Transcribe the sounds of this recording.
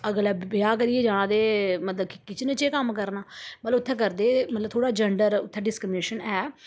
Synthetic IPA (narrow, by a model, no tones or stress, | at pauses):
əɡlɛːbɪaːk̬əɾiɛːd͡ʒaːɽ̃ãːd̪eːmət̪ləbkɪkɪt͡ʃnẽːt͡ʃeːkəmkəɾnaːmət̪ləbʊt̪ʰːɛ̃ːkəɾd̪eːmət̪ləb̚t̪ʰoːɽaːd͡ʒəɳɖəɾʊt̪ʰːɛ̃ːɖɪskɾɪmneːʃənɛː